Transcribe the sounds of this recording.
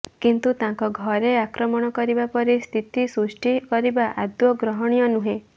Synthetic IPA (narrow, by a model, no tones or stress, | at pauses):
kint̪ut̪ãŋkɔɡʱɔɾeakɾɔmɔɽ̃ɔkɔɾibapɔɾist̪ʰit̪isɾusʈʰikɔɾibaʔad̪wɔɡɾɔɦɔɽ̃ijɔnuɦẽ